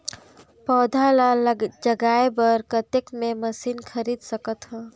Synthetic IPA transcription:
pɔːd̪ʱalad͡ʒəɡaebəɾkət̪ekmeməsinkʰəɾiːd̪səkət̪ɦɛ̃ː

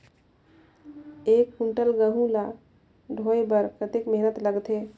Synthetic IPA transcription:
ekhuɳʈəlɡəɦũla | ɖʱoebəɾkət̪ekmeɦnət̪ləɡt̪ɦe

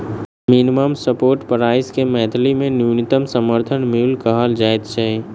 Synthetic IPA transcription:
minɪməmsəpoːɾʈpəɾaːɪskemɛːt̪ʰlimẽnjunɪt̪əmsəməɾt̪ʰənmilkəɦəld͡ʒaːɪt̪t͡ʃaẽ

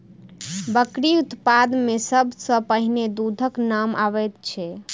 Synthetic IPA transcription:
bəkɾiut̪pad̪mesəbʱsə̃pəɦined̪ud̪ʱəknama̰ʋɛt̪t͡ʃʰɛ

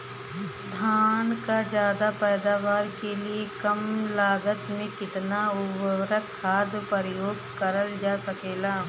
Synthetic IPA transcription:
d̪ʱaːnkad͡ʒjaːd̪apɛːd̪aːʋaːɾkeliekɐmlaːɡət̪mẽkɪt̪naʊbɾəkʰːaːd̪pəɾjoːɡkɐɾəld͡ʒaːsɐkeːlaː

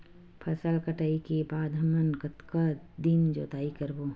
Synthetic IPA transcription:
pʰɐsəlkɐʈaːikebaːd̪ɦɐmənkɐt̪kad̪imd͡ʒo̰ːt̪aːikəɾboː

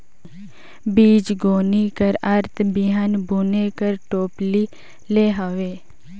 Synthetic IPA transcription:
biːd͡ʒɡoːnikəɾɐɾt̪ʰbiɦaːnbuːnekəɾʈoːpli | leːɦəʋeː

